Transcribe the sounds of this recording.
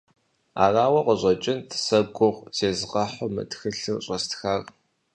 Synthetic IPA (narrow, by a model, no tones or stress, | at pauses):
a̰ːraːwɐqʷɔʑʷʼɐt͡ʃʼɪntʰsɐɡʷʊʁzeːzʁɐħʷʊmtxɨɬɨrɕʼɐstxar